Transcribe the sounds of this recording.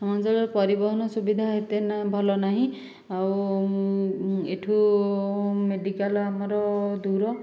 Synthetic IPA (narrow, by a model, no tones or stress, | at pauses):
sɔmɔnd͡ʒɔɭɔɾpɔɾibɔɦɔnɔsubid̪ʱaɦet̪enabʱalɔnaɦĩ | aw | eʈʰu | meɖikalamɔɾɔd̪uɾɔ